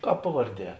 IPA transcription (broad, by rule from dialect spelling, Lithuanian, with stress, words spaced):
ˈkɑːp ˈpɑːʋɐrʲˌdʲiɛ